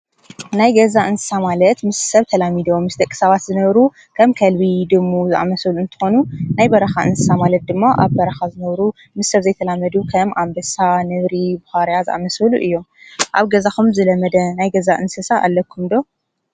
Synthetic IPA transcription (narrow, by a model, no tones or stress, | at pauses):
najɡɐzaʔɨnsɨ̥samalɐt̪mɨsːɐβt̪ʰɐlamid̪o̞mɨsd̪ɐkʼːɨ̥saβat̪zɨnɐβɾu | kʰɐmkʰɐlbid̪ɨmːuzɨʔa̰mɐsɐluɨnt̪ʰɨ̥xo̞nunajbɐɾɐxaʔɨ̰nsɨsamalɐt̪̚d̪ɨmːaʔaβbɐɾɐxazɨnɐβɾu | mɨsːɐβzɐjt̪ʰɐlamɐd̪ukʰɐmʔambɐsanɨβɾibuhaɾjazɨʔa̰mɐsɐluʔɨjːo̞mʔaβɡɐzaxumzɨlɐmɐd̪ɐnajɡɐzaʔɨnsɐsaʔa̰lːɐkʰːumd̪o̞